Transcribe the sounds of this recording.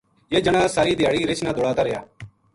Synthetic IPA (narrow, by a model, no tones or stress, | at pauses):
jeːd͡ʒəɽ̃aːsaːɾiːd̪ɪjaːɽiɾɪt͡ʃʰnãːd̪oːɽaːt̪aːɾejaː